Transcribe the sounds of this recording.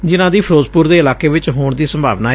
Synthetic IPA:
d͡ʒɪnãːd̪iːpʰɾoːzpʊɾd̪eːɪlaːkeːʋɪt͡ʃɦoːɳd̪iːsəmbʱa̰ːʋnaː

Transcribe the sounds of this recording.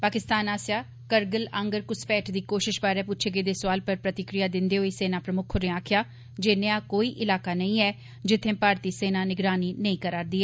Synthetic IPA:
paːkɪst̪aːnaːsjaː | kəɾɡələ̃ŋɡəɾkʊspɛːʈʰd̪iːkoːʃɪʃpaːɾɛːpʊtːt͡ʃʰeɡeːd̪eːsʊʋaːlpəɾpɾət̪ɪkɾɪjaːd̪ɪnd̪eːɦoːiːseːnaːpɾəmʊkʰʊɾɪ̃aːkʰjaː | d͡ʒeːnẽaːkoːiːʔɪlaːkaːnəĩːɛː | d͡ʒɪt̪ʰːẽːpaːɾt̪iːseːnaːnɪɡɾaːniːnəĩːkəɾaːɾd̪iːɛː

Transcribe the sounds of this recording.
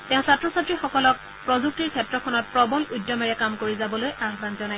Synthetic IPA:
tɛ̃ʊ̃satɹɔsatɹixɔkɔlɔk̚ | pɹɔzuk̚tiɹkʰɛp̚tɹɔkʰɔnɔt̚pɹɔbɔludːɔmaɹɛkamkoɹizabɔlojʔaxbanzɔnaj

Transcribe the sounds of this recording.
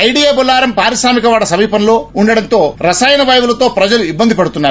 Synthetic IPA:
ɐjɖieːbulaːɾɐmpaːɾiʃɾaːmikɐʋaːɽɐsɐmiːpɐnlo̞ːuɳɖɐɽɐnt̪o̞ːɾɐsaːjɐnɐʋɐjɐʋulɐt̪o̞ːpɾɐd͡ʒɐluibːɐnd̪ʱipɐɽut̪unːaːɾ

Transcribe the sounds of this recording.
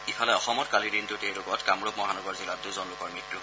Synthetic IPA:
ifʰalɛɔxɔmɔtkalidintʊtejlʊɡɔtkamɹob̚mɔɦanɔɡɔɹzilatduzɔnlʊkɔɹmɹitɹu

